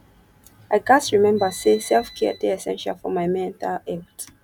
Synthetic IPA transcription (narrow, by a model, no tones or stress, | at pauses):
aɪɡastɹimɛ̃mbəsesɛlfkʰɛtiɛsɛ̃nʃa̰lfɔmaɪmɛ̃ntʰalɛt